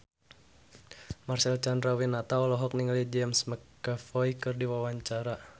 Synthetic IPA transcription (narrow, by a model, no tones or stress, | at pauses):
marsɛlt͡ʃanrawinat̪aɔlɔɦɔk̚niŋlid͡ʒɛmsməkː | afɔikɨrdiwawaɲt͡ʃaɾa